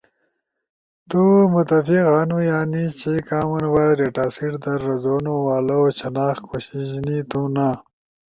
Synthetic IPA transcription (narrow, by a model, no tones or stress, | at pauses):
t̪umut̪ɐfiɣaːnujaːnit͡ɕikaːmɐnwaːɾeʈaːsiʈd̪ɐɾːɐzoːnuwaːlot͡ɕʰɐnaːxkʰoɕiʑnit̪una